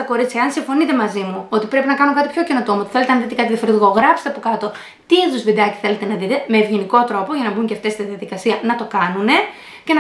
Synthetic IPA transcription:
ɐko̞ɾit͡sçɐeɐnsiɱfo̞nit̪e̞mɐzimuo̞t̪ipɾe̞pinɐkɐnokɐt̪ipço̞cino̞t̪o̞mot̪θe̞le̞t̪enɐðit̪ekɐt̪iðiɐfoɾizɣoɣɾɐpse̥t̪eɐpokɐt̪o̞ | t̪iiðuzvid̪ɐci̥θe̞le̞t̪e̞nɐðit̪e̞me̞ːvʝeniko̞t̪ɾo̞poʝɐnɐbuɲceft̪est̪iðijɐðikɐsiɐnɐt̪o̞kɐnune̞ | ce̞n

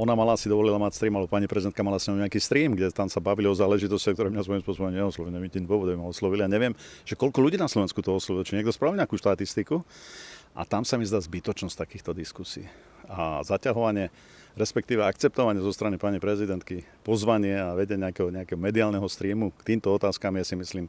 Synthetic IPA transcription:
ɔnamalaːsid̪ɔʋɔlilamacst̪ɾiːmalɛbɔpaɲipɾɛzid̪ɛnt̪kamalasɲɛɔʊɲɛakiːst̪ɾiːmɡɟɛt̪amsabaʋiliɔzaːlɛʒit̪ɔscakt̪ɔɾɛːmɲasʋɔjimspʊɔsɔbɔmɲɛɔslɔʋilɲɛʋɛit̪ind̪ʋɔʋɔd̪abimaɔslɔʋiliaɲɛʋɪɛmʒ̥ɛkɔlkɔluɟiːnaslɔʋɛnskut̪ɔɔslɔʋilt͡ʃiɲɛɡ̚d̪ɔspɾaʋilɲɛakuːʃt̪at̪ist̪iku | ʔa̰t̪amsamizd̪aːzbit̪ɔt͡ʃnɔs̚ʲt̪akiːxt̪ɔd̪iskusḭː | azacaɦɔʋaɲɪɛ | ɾɛspɛkt̪iːʋɛakt͡sɛp̚t̪ɔʋaɲɪɛzɔst̪ɾanipaɲipɾɛzid̪ɛnt̪̚kipɔzʋaɲɪɛaʋɛɟɛɲɛakɛɦɔɲɛakɛɦɔmɛd̪iaːlnɛɦɔst̪ɾiːmukt̪iːmt̪ɔɔt̪aːskamijasimisliːm

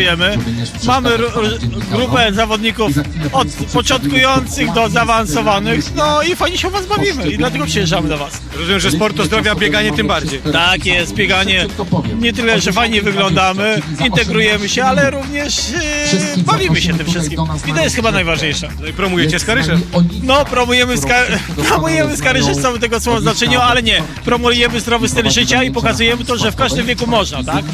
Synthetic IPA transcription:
jɛmɘ | mamɘɾɡɾupɛzavɔd̪ɲikufɔt̪pɔt͡ʂɔnt̪̚kujɔnt̪sɘɣd̪ɔzaːvansɔvanɘxnɔifajɲɛɕɛɔvazbavʲimɘid̪lat̪ɛɡɔpʂɛjɛʐamɘd̪avas | ɾɔzumjɛmʐɛspɔɾt̪ɔzd̪ɾɔvʲjabʲjɛɡaɲɛt̪ɨmbaɾd͡ʑejt̪akjɛst̪̚bʲjɛɡaɲɛɲɛt̪ɘlɛʐɛfajɲɛvɘɡlɔnd̪amɘ | int̪ɛɡɾujɛmɘɕɛalɛɾuvɲɛʂ | bavʲimɘɕɛt̪ɪmfʂɘst̪kʲimit̪ɔjɛst̪xɘbanajvaʐɲejʂa | ipɾɔmujɛt͡ɕɛskaɾɘʐɛnɔpɾɔmujɛmɘskaɾ | pɾɔmujɛmɘskaɾɪʂɛt̪sawɛt̪ɛɡɔsɔɔ̃znat͡ʂɛɲualɛɲɛ | pɾɔmuujɛmɘzd̪ɾɔvɘst̪ɛlʐɘt͡ɕaipɔkazujɛmɘt̪ɔʐɛfkaʐd̪ɘmvʲɛkumɔʐnat̪ak

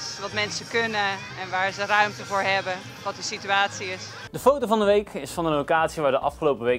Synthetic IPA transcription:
ʋɑtmɛnsəkønə | ɛnʋaːɹzərœɥmtəvʊːɹɦɛbə | ʋɑt̚dəsityaːtsiɪs | dəfowtovɑndəʋejkʰɪsfɑnənlokaːtsiʋaːɹdəʔɑ̰fχəlowpəʋej

